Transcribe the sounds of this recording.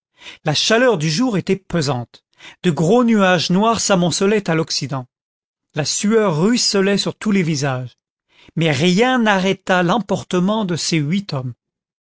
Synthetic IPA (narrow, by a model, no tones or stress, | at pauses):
laʃalœʁd̪yʒuʁet̪ɛpøzɑ̃t̪ | d̪̥əɡʁonyaʒnwaʁsamɔ̃səlɛt̪alɔksid̪ɑ̃ | lasyœʁːɥisəlɛsyʁt̪ulevizaʒ | mɛʁjɛ̃naʁɛt̪alɑ̃pɔʁt̪əmɑ̃d̪əseɥit̪ɔm